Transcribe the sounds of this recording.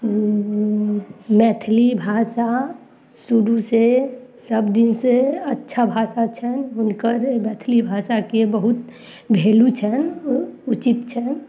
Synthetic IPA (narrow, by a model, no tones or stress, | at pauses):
mɛt̪ʰlibʱasa | suɾusesəbd̪inseətːʃʰabʱasat͡ʃʰənʊnkəɾmɛt̪ʰlibʱasakebəɦut̪ | bʱeːlut͡ʃʰənut͡ʃip̪t͡ʃʰɛn